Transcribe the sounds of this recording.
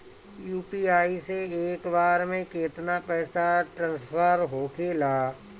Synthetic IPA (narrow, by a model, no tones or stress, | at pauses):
juːpiːaːiseeːkbaːɾmẽket̪napɛːsaʈɾãːnspʰəɾɦoːkʰeːlaː